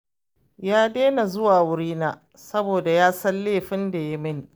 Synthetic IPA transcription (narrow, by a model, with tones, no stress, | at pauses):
jaː˦deː˦na˨zʊ˦waː˨wʊ˦ɽiː˦naː˨ | sɐ˦boː˨da˨jaː˦sɐ˦nːeː˦˨ɸɪ˦nda˨ja˦mɪ˦˨n